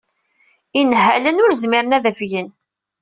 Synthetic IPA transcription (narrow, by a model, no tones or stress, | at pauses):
inɦælənʊɾzmiɾənæðəfʝən